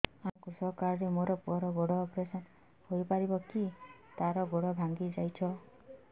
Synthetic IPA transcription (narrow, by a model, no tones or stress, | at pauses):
amkusɔkaɾɔɾemoɾɔpuɔɾɔɡoɽɔːpɾesɔn | hojpaɾibɔkit̪aɾɔɡoɽɔbʱaŋɡid͡ʒajt͡ʃʰɔ